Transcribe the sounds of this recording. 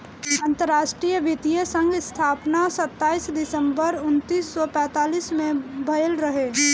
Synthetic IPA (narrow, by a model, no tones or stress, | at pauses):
ə̃nt̪əɾːaːʃʈɾijʋʱɪt̪ijəsə̃ŋɡɪst̪ʰaːpnasət̪ːaːisd̪ɪsə̃mbəɾʊnt̪iːsːɔpɛ̃ːt̪aːliːsmẽbʱəjəlɾəɦeː